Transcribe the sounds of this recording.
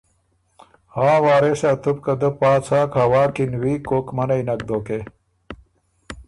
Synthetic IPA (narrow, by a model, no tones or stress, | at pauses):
hãːwaːɾeɕaːt̪up̚kɐd̪ɐpaːt͡sʰaːkhɐwaːkinwiːkoːkmɐnɐinɐk̚d̪oːke